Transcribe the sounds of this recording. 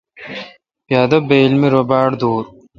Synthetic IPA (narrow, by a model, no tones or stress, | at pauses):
pjaːd̪ɐbeːlmiɾobaːɽd̪oːɾ